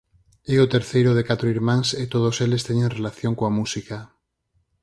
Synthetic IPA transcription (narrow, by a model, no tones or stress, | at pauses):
eot̪eɾθejɾoðekat̪ɾoiɾmãŋset̪oðoselest̪eɲẽŋrelaθjoŋkoamusika